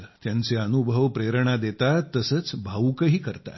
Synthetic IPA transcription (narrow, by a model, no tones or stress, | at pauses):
t̪jant͡seənubʱəʋpɾeɾɳad̪et̪at̪ːəsət͡sbʱaukəɦiːkəɾt̪a̰